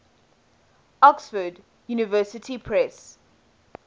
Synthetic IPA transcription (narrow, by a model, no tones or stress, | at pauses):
ɔksfəd | junɪvɜˑsɪtʰipʰɹɛs